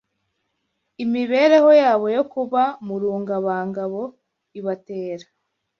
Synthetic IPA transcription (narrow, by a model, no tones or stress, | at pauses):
imiβe̞ɾe̞ho̞jaːβo̞jokuβamuɾuːŋɡaβaːŋɡaβo̞ | iβate̞ːɾḁ